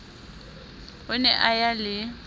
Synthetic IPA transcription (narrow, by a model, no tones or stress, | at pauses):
hʊnɛʔajalɪ